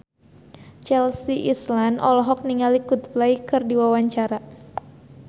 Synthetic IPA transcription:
t͡ʃɛlsiʔislanʔɔlɔɦɔk̚niŋalikʊt̪̚blaikɨrdiwawaɲt͡ʃaɾa

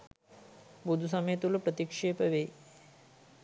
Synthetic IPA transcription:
bud̪ʱus̬ɐməjt̪ulupɾət̪ikʂeːpəʋej

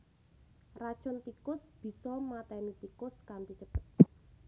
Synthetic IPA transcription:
rḁʒ̥ɔnt̪ikʊsb̥i̤sɔmat̪ɛnit̪ikʊskampit͡ʃəb̥ət̪̚

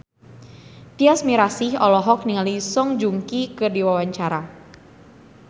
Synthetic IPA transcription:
t̪iasmiɾasihɔlɔɦɔk̚niŋalisɔŋd͡ʒuŋkikɨdiwawaɲt͡ʃaɾa

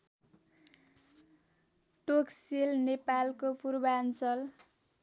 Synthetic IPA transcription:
ʈoksilnepalkopurbant͡sʌl

